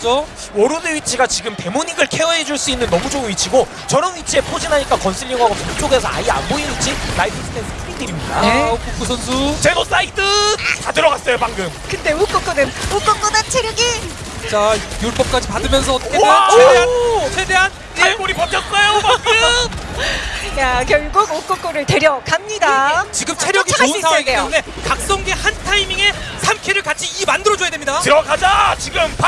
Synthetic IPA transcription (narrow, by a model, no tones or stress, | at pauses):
t͡ɕo | wʌɾuneɥit͡ɕʰiɡat͡ɕiɡɯmte̞moɲiɡɯɭkʰe̞ʌɦed͡ʑuɭs͈uinːɯnːʌmud͡ʑoŋɯnɥit͡ɕʰiɡo | t͡ɕʌɾʌnɥit͡ɕʰie̞pʰod͡ʑinaɲik͈akʌnsʰiʎːiŋɦaɡopoŋt͡ɕʰoɡe̞sʰʌa̰ia̰nboinit͡ɕʰilaipʰɯs͈ʰɯ̥tʰens͈ʰɯ̥pʰɯmindɯɾimɲida̰kuk͈ʰus̬ʰʌns̬ʰut͡ɕenos͈ait͈ɯtadɯɾʌɡas͈ʌjopaŋɡɯmkɯnde̞uk͈ʌk͈ʌnenuk͈ʌk͈ʌnat͡ɕʰeɾjʌɡe | t͡ɕajuɭp͈ʌp̚k͈ad͡ʑipadɯmjʌns̬ʰʌedeant͡ɕʰeeɦant͡ɕʰe̞de̞ɦan | kakoɾipakʰjʌt̚s͈ʌjopaŋɡɯm | jak̬jʌɭɡuɡuk͈ʌk͈oɾɯɭte̞ɾjʌkamɲidat͡ɕiɡɯmt͡ɕʰe̞ɾjʌɡiousʰaaiejeune̞kak̚s͈oŋɡe̞hantʰaimiŋe̞sʰamkʰeɾɯɭkat͡ɕʰiimandɯɾʌd͡ʑojademɲidatɯɾʌkad͡ʑat͡ɕiɡɯmp